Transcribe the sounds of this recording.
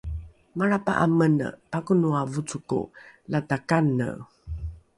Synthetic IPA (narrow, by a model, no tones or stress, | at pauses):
ŋaɾapa̰ʔamən̰pakunuavut͡sukṵlatakanə̰